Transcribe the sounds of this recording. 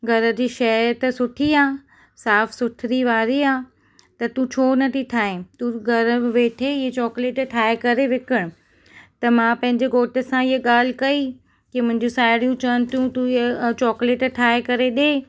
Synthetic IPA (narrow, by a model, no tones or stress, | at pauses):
ɡʱɐɾə̆d͡ʑiːʃɐt̪ɐsʊʈʰiaː | saːfsʊʈʰɾiʋaːɾiaː | t̪ɐt̪ũt͡ɕʰoːnɐt̪ʰit̪ʰaːɦẽt̪ũɡʱɐɾəʋeːʈʰeɪɦet͡ɕɔːkleːʈʈʰaːekɐɾeʋɪkɪɽ̃ʊ̆ | t̪ɐmãpɐ̃ɦɪ̃ɲd͡ʑeɡoːʈə̆sãɪɦəɠaːl̤ɪkɐi | kimʊ̃ɦɪ̃ɲd͡ʑũsaːɪɽijũt͡ɕɐənɪ̆t̪ʰjũt̪ũt͡ɕɔːkleːʈʈʰaːekɐɾeɗeː